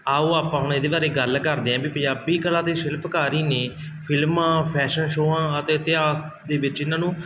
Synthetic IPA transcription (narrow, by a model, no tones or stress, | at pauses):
aːoːaːpãːɦʊɳɪd̪eːbaːɾeːɡəlkəɾd̪eːɛ̃ːbiːpə̃ɲd͡ʒaːbiːkəlãːt̪eːʃɪlpʰkaːɾiːneː | pʰɪlmãːpʰɛːʃənʃoːãːət̪eːt̪ɪɦaːs | d̪eːbɪt͡ʃɪnːãːnũː